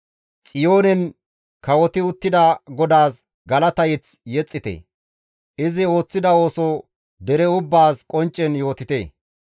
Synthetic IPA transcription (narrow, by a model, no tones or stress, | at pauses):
t͡sʼɪjo̞ːnɛn | kɐwɔt̪ɪʊt̪ːɪd̪ɐɡɔd̪aːs | ɡɐlɐt̪ɐjɪt͡s | jɛt͡sʼːɪt̪ḛ | ʔɪzɪo̞ːt͡sːɪd̪ɐo̞ːso | d̪ɛɾɛʊbːaːskʼɔnt͡ʃʼːɛnjo̞ːt̪ɪt̪ḛː